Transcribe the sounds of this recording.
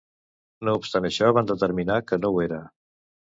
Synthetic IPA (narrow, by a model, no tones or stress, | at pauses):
noupst̪anəʃɔβand̪ət̪əɾminakənoweɾə